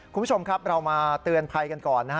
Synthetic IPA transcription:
ku˧n˦u˥t͡ɕʰo˧mkʰa˦˥p̚ɾa˧wmaː˧t̪ɯ˧ənpʰa˧jka˧nkɔː˨˩nːa˦˥

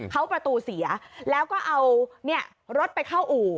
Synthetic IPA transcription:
kʰa˦˥wpɾa˧t̪uː˧si˨˩˦ɐlɛː˦˥wkɔː˥˩ʔa˧wni˥˩ɐ | ɾo˦˥t̪̚pa˧jkʰa˥˩wʔuː˨˩

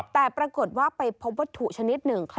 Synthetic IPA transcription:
t̪ɛː˨˩pɾa˧ko˨˩ət̪̚waː˥˩pa˧jpʰo˦˥p̚wa˦˥t̪ʰːu˨˩t͡ɕʰa˧ni˦˥t̪̚nɯ˨˩ŋkʰ

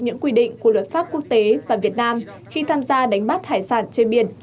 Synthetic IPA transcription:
ɲɨ̰˧˥ŋkwi˧ɗḭ˧˨ŋ̟ku˧˩əlwə˨˩t̚faː˦˥p̚ku˦˥ək̚t̪e˨˦vaː˨˩vi˨˩ət̚naː˧m | xi˧t̪ʰaː˧mzaː˧ɗa˨˦jŋ̟ɓa˦˥t̚haː˧˩jsaː˧˩nt͡ɕe˧nɓi˧˩ən

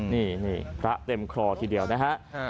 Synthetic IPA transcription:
niː˥˩niː˥˩pʰɾa˦˥ʔt̪e˧mkʰɾɔː˧t̪ʰiː˧˩di˧˩əwna˦˥kʰa˦˥ʔ

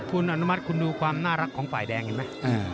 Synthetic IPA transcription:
kʰu˧nʔa˧nu˦˥ma˦˥t̪̚kʰu˧nduː˧kʰwaː˧mnaː˥˩ɾa˦˥kʰːɔː˩˦ŋfaː˨˩jdɛː˧ŋʔi˧˩ma˦˥ʔaː˧

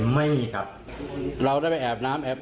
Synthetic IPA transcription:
ma˥˩jmiː˧˩kʰa˦˥p̚ | ɾa˧wdaː˥˩jpa˧jʔɛː˨˩p̚naː˦˥mʔɛː˨˩p̚

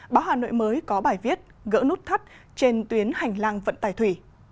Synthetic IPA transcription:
ɓaː˨˦wɦaː˨˩no̰˧˨jməː˨˦jkɔ˨˦ɓaː˧˩jvi˦˥ət̚ɣə̰ː˧˥nu˦˥t̚t̪ʰa˦˥t̚ | t͡ɕe˧nt̪wi˨˦ənha˨˩jŋ̟laː˧ŋvə̰˧˨nt̪aː˧˩jt̪ʰwi˧˩

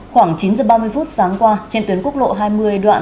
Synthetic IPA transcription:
xwaː˧˩ŋt͡ɕi˨˦nzəː˨˩ɓaː˧mɨ˧əjfu˦˥t̚saː˨˦ŋkwaː˧t͡ɕe˧nt̪wi˨˦ənku˦˥k̚ɗo̰˧˨ɦaː˧jmɨ˧əjɗwa̰ː˧˨n

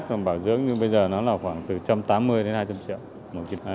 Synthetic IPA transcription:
t̚kɔ˨˩nɓaː˧˩wzɨ̰˧˥ək̚ɲɨ˧ɓə˧jzəː˨˩nɔ˨˦laː˨˩xwaː˧˩ŋt̪ɨ˨˩t͡ɕa˧mt̪aː˨˦mːɨ˧əjɗe˨˦nhaː˧jt͡ɕa˧mt͡ɕḭ˧˨əw | mo˨˩ki˧˩˨

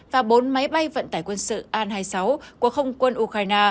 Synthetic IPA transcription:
vaː˨˩ɓo˨˦nma˨˦jɓa˧jvə̰˧˨nt̪aː˧˩jkwə˧nsɨ̰˧˨ʔaː˧nhɦaː˧jsa˨˦wku˧˩əxə˧wŋ͡mkwə˧nʔu˧xaː˧jnaː˧

